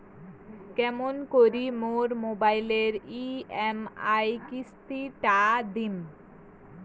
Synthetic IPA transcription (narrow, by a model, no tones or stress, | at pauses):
kɛmonkoɾimoɾmobajleɾiemajkist̪iʈad̪in